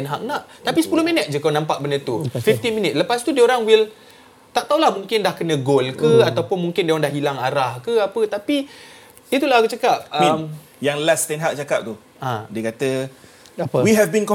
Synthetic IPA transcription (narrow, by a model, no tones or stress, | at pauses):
ɛnɦak̚naʔt̪apisə̥pulʊhminət̪̚d͡ʒəkawnãmpaʔ̚bənət̪ufift̪iminɪt̪̚ləpast̪udioɾaŋwil | t̪aʔt̪aulahmuŋkɪndahkənə̃ɡolkəat̪awpʊnmuŋkɪndiawaŋdahɦilaŋaɾahkəapət̪api | dit̪ulahkət͡ʃakap̚m | jaŋlast̪ɛnɦak̚t͡ʃakap̚t̪u | ʔãdiəkat̪ə | wiɦɛvbinkɔ